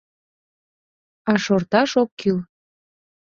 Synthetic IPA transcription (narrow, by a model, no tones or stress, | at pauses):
ɑʃort̪ɑʃokʰːyl